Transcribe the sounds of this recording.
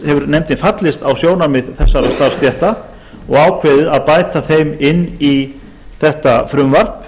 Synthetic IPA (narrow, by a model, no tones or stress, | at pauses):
hɛvʏɾnejmt̪ɪnfat̪lɪst̪awsjoːwnamɪðθɛsːaɾast̪aɾst̪jɛht̪a | ɔɣaːwkʰvɛːðɪðaðpaːjt̪aθejmɪnːi | θɛht̪afɾʏmvar̥p